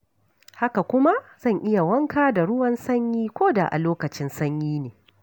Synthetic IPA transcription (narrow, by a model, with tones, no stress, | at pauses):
ha˦ka˨kʷʊ˦ma˦z̥ɐ˦˨ŋʔɪ˦ja˨wɐ˦ŋkaː˦da˨ɽʊ˦wɐ˦nsɐ˦ɲjiː˦kʷoː˦da̰˨ʔa̰˨loː˦kɐ˨t͡ʃɪ˦nsɐ˦ɲjiː˦neː˨